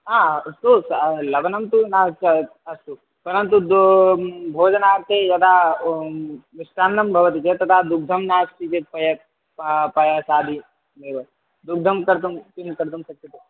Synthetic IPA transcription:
ɦaːɐst̪oslɐbɐnɐmt̪unaɦt͡ʃɐ | ɐst̪u | pɐɾɐnt̪ud̪ | bʱoːd͡ʒɐnaːt̪ed͡ʒɐt̪ʰa | ʋɪsʈaːnːɐmbʱɐʋɐt̪it͡ʃet̪ɐt̪ʰad̪uk̚d̪ʱɐmnaːsʈ̪it͡ʃepɐjɐ | pɐjɐsaːd̪ʱi | meːʋɐ | d̪uk̚d̪ʱɐmkɐɾt̪umt̪imkɐɾt̪̬umsɐk̚t͡ʃit̪u

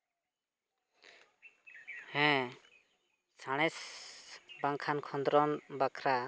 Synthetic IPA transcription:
hɛ̃ | saɽ̃ɛs | baŋkʰankʰɔnd̪ɾɔnbakʰɾa

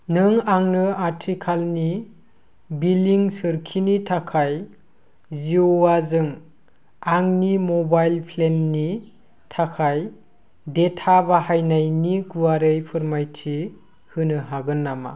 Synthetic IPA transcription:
nɯŋaŋnɯaɾtʰikʰalni | biliŋsɯɾkʰinitʰakʰaj | ziowazɯŋ | aŋnimɔbajlpʰlenːi | tʰakʰaj | detʰabahajnajniɡuwaɾɯjpʰɯɾmajtʰi | hɯnɯɦaɡɯnːama̰

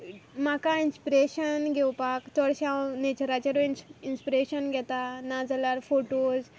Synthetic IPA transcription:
makainspiɾeɕənɡʱewpakt̪ɔɽɕawnet͡ɕəɾat͡ɕəɾininspiɾeɕənɡʱɛt̪anad͡zlaɾfoʈod͡z

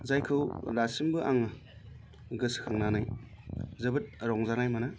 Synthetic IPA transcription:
zajkʰɯwlasimbɯʔaŋɯ | ɡɯskʰaŋnanaj | zɯbɯt̚ɾɔŋzanajmana

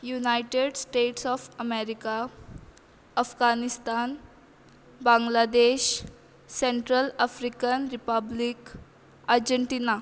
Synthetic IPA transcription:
junajʈeɖsʈeʈsɔfəmeɾika | əfɡanist̪an | bãŋɡlad̪eɕ | seɳʈɾəlafɾikənɾipəblik | aɾd͡ʑəɳʈina

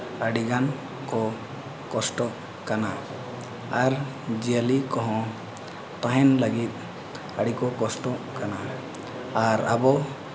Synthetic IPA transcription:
əɽiɡan | kɔ | kɔsʈɔʔ | kana | aɾ | d͡ʒijalikɔ̃ɦɔ̃ | t̪ãɦɛnləɡit̪̚ˀ | əɽikɔkɔsʈɔʔkanaː | ɾa̰bɔ

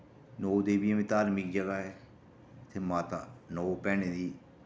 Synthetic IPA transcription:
noːd̪eːbiẽmẽːt̪aːɾmikd͡ʒəɡaːɦɛː | t̪ʰemaːt̪anoːpɛːneːd̪iː

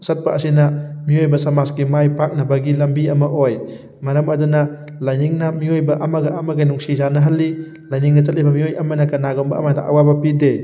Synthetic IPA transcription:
sɐt̚paʔːsinɐmiojbɐsɐmasɡimajpak̚nɐbɐɡilɐmbiɐmɐʔoj | mɐɾɐmɐdunɐ | lajniŋnamiojbɐʔɐmɐɡɐɐmɐɡajnuŋsizanɐɦɐlːi | lajniŋnɐt͡ʃɐt̚libɐmiojɐmɐnɐkɐnaɡɔmbɐ̰ːmɐdaʔa̰wabɐpide

